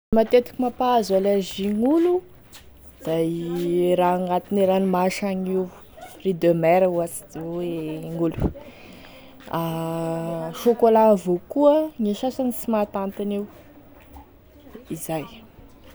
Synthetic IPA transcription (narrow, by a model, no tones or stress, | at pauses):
mat̪et̪i̥kʲimapaazalaʒiŋulu | d̪̥ajɾaaŋat̪iniɾanimaʃaŋiw | rid̪ømɛɾawasid̪eeŋulu̥ | a | ʃokolavokuəŋiʃasanisimat̪ant̪ini | izaj